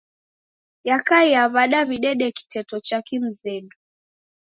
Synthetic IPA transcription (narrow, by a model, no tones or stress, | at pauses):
jakaiaβaɗaβiɗɛɗɛki̥tɛtɔt͡ʃakim̩zɛɗu